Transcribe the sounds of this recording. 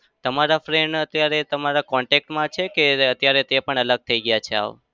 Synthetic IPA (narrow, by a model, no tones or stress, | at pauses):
t̪əmaɾafɾeɳɖət̪jaɾet̪əmaɾakɔɳʈek̚ʈmãt͡ʃʰekeət̪jaɾet̪epəɳələɡ̚t̪ʰəiɡəjat͡ʃʰea̰ʋ